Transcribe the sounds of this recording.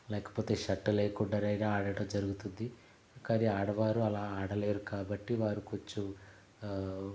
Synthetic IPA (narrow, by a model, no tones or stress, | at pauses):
lɛːkɐ̥po̞ːt̪e̞ːʃɐʈːuleːkuɳɖɐɾɐjnaaːɽɐʈɐmd͡ʒɐɾuɡut̪und̪i | kɐɾiaːɽɐʋaːɾuɐlaːaːɽɐle̞ːɾukaːbɐʈːiʋaːɾukot͡ʃːu